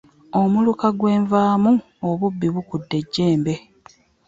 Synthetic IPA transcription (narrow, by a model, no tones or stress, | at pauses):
o̞mulukaɡwe̞ːɱvaːmu | oβubːiβukudːe̞ɟːe̞ːmbe̞